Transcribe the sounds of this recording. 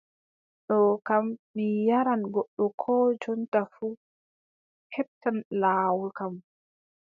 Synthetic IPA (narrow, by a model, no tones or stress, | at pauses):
ɗɔkamːijaɾanɡɔɗːɔkʰɔːd͡ʒɔntafu | hɛp̚tanlaːwulkam